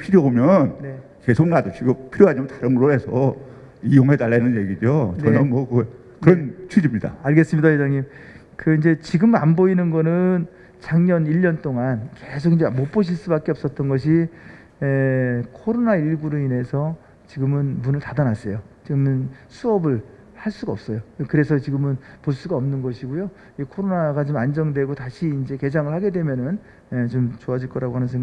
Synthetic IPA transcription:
pʰiɾjobomjʌnne | ke̞sʰoŋnadot͡ɕʰiɡopʰiɾjoɦad͡ʑimʌntaɾɯŋɯɾoe̞sʰʌ | ijoŋɦedaɭːanɯnje̞ɡid͡ʑot͡ɕnʌnʌnmwʌkɯ | kɯɾʌnt͡ɕʰud͡ʑimɲida̰aɭɡe̞s͈ɯmɲidajed͡ʑaŋɲim | kɯind͡ʑe̞t͡ɕiɡɯmanboinɯnɡʌnɯn | t͡ɕaŋɲʌniʎːʌnt͈oŋanke̞sʰoɡind͡ʑemop͈oɕ̬ʰiɭs͈ubak͈eʌp̚s͈ʌt̚t͈ʌnɡʌɕ̬ʰi | ekʰoɾonaiɭɡuɾɯine̞sʰʌ | t͡ɕiɡɯmɯnmunɯɭtadanas͈ʌjot͡ɕiɡɯmɯnsʰuʌbɯɭ | haɭs͈uɡaʌp̚s͈ʌjokɯɾesʰʌt͡ɕiɡɯmɯnpoɭs͈uɡaʌmnɯnɡʌɕʰiɡojo | kʰoɾonaɡat͡ɕomand͡ʑʌŋdwe̞ɡotaɕʰiːnd͡ʑe̞ke̞d͡ʑaŋɯɭhaɡe̞dwe̞mjʌnɯn | et͡ɕomt͡ɕoad͡ʑiɭk͈ʌɾaɡoɦanɯns̬ʰŋa

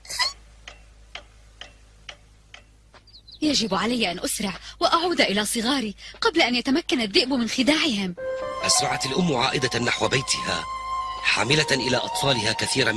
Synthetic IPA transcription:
jad͡ʒɪbʕalajːaʔanʔʊsɾɪʕwaʔaʕuːd̪aʔɪlaːsˤɨɣɑːɾiːqɑblaʔanjat̪amakːanaðːɪʔbmɪnxɪd̪aːʕɪhɪmʔasɾˤɑʕat̪alʔʊmːʕa̰ːʔɪd̪anːaħwabajt̪ɪha̰ːħa̰ːmɪlaʔɪlaːʔɑt̪ˤfɑːlɪhaːkaθiːɾa

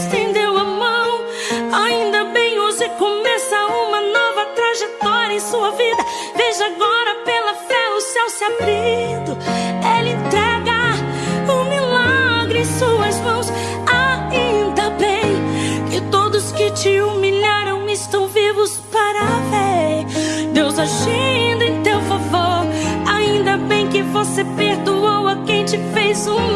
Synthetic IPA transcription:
st̪ẽnd̪ewɐmɐ̃w̃ | aĩnd̪ɐbẽj̃vosekomɛsɐũmɐnɔvɐt̪ɾaʒet̪ɔɾjɐẽj̃suɐvid̪ɐ | veʒaɡɔɾɐpelɐfɛʊsɛwsabɾid̪ʊelɪẽt̪ɾɛɡɐ | ʊmilaɡɾɪẽsuɐzmɐ̃w̃s | aĩd̪ɐbẽj̃kɪt̪od̪ʊskɪt͡ʃɪumiʎaɾɐ̃w̃ɪst̪ɐ̃w̃vivʊspaɾɐfɛ | d̪ewzaʒed̪ʊẽt̪ewfavoɾaĩnd̪ɐbẽj̃kɪvosepeɾd̪uowɐkẽj̃t͡ʃɪfejzũ

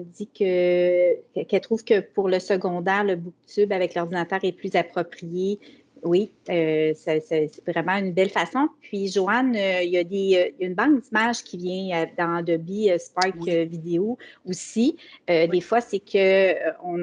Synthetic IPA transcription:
d̪ikʲə | ɛkɛlt̪χuːv̥kəpuʁləsəɡɔ̃d̪ɛːʁləbuk̚t̪ybavɛklɔʁd̪inat̪œːʁɛplyzapχɔpχije | wiøsɛsɛsɛ̥t̪vʁɛmɑ̃ynbɛlfasɔ̃pɥiʒoanøjad̪ejaynbɑ̃k̚d̪imaʒkʲivjɛ̃ad̪ɑ̃d̪ɔbiøspakvid̪eoosiød̪efwasekʰəɔ̃

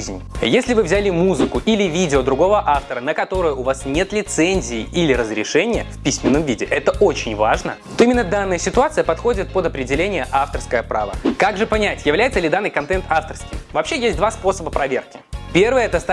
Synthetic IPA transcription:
zʲnʲ | jesʲlʲɪvɨvzʲælʲɪmuzɨkʊʔilʲɪvʲidʲɪod̪ɾʊɡo̞vəʔaft̪əɾənəkɐt̪o̞ɾɨjəʊvasnʲe̞t̪lʲɪt̪sɛnʲzʲɪːʔilʲɪɾəzɾʲɪʂɛnʲɪjəfʲpʲisʲmʲɪnːəmvʲidʲɪʔɛt̪əʔo̞t͡ɕɪnʲvaʐnət̪o̞imʲɪnːəd̪anːəjəsʲɪt̪ʊat̪sɨjəpɐt̪xo̞dʲɪt̪̚pəd̪ɐpɾʲɪdʲɪlʲenʲɪjəʔaft̪ərskəjəpɾa̰və̰kaɡʐɨpɐnʲætʲjɪvlʲæjɪt̪səlʲɪd̪anːɨjkɐnt̪ɛnt̪aft̪ərskʲɪmvɐpɕːejesʲt̚ʲd̪vaspo̞səbəpɾɐvʲe̞rkʲɪpʲe̞rvəjəɛt̪əst̪

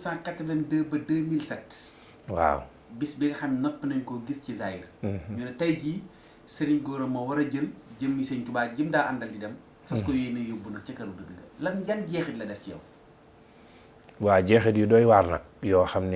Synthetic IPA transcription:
saːkɐtːɐdɐndəːbɐdəːmilsɐt | wa̰w | bisbɛɡɐxɐmnɐpːnɐɲkɔɡiscizaːjirɲɔːnɐtɐjɡi | sɐɾiɲɡɔːɾɐmɐwɐɾɐɟəlɟəmːisɛɲkubaːɟəmdaːʔɐndɐldidɐm | fɐskɔjɛːnɐjɔbunɐk̚t͡ʃɐkɐɾudəɡiɡɐ̰lɐmɡɐnɟɛxɛtlɐdɛfkiɛ̰w | waːɟɛxɛdjudɔːjwaːɾnɐ̰k̚jɔːxɐmnɛ

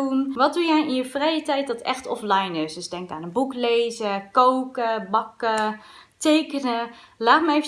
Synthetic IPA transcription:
unʋɑt̚dujɛjɪjəfrɛjətɛjt̚dɔtɛ̰χtɔflɛjnɪsdøsdɛŋkaːnəbuklejzəkowkəbɑkətejkənə | laːtməevə

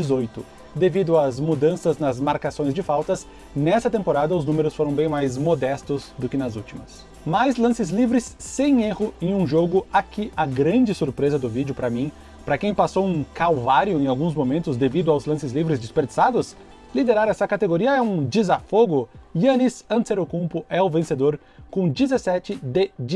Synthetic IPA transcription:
d͡ʒizojt̪ʊ | d̪evid̪ʊɐzmud̪ɐ̃sɐznɐzmaɾkasõj̃zd͡ʒɪfawt̪ɐs | nɛst̪ɐt̪ẽmpoɾad̪ɐʊznũmeɾʊsfoɾɐ̃w̃bẽj̃majzmod̪ɛst̪ʊzd̪ʊkɪnɐzut͡ʃimɐs | majzlɐ̃sɪzlivɾɪsːẽj̃ehʊẽj̃ũʒoɡʊakɪʔɐɡɾɐ̃nd͡ʒɪsuɾpɾezɐd̪ʊvid͡ʒʊpɾɐmĩ | pɾɐkẽj̃pasowũkawvaɾjʊẽj̃awɡũzmomẽnt̪ʊzd̪evid̪ʊawzlɐ̃sɪzlivɾɪzd͡ʒispeɾd͡ʒisad̪ʊs | lid̪eɾaɾɛsɐkat̪eɡoɾiɐɛũd͡ʒɪzafoɡʊiɐnisɐ̃nseɾokũmpʊɛʊvẽsed̪oɾ | kõd͡ʒizesɛt͡ʃɪd̪ɪd͡ʒ

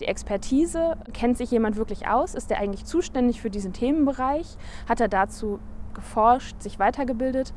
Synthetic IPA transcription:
d̥iːʔɛkspʰɛɐtʰiːzəkʰɛntz̥ɪçjeːmantv̥ɪɐklɪçʔa̰ʊsɪsteːɐʔaɪŋ̩tlɪçt͡suːʃtɛndɪçfyːɐdiːzn̩tʰeːmənbəʁaɪç | hateːɐdat͡suːɡ̥əfɔɐʃtz̥ɪçv̥aɪtʰɐɡəbɪldət

